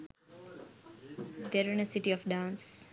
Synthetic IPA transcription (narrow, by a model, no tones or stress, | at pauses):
d̪eɾĩnəsɪʈiɔfɖãːns